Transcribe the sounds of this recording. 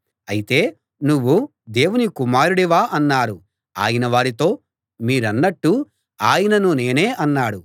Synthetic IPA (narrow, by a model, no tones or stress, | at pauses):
ɐjit̪e̞ː | nuʋːu | d̪e̞ːwunikumaːɾuɽiʋaːʔɐnːaːɾu | a̰ːjɐnɐʋaːɾit̪o̞ː | miːɾɐnːɐʈːu | aːjɐnɐnune̞ːne̞ːʔɐnːaːɽu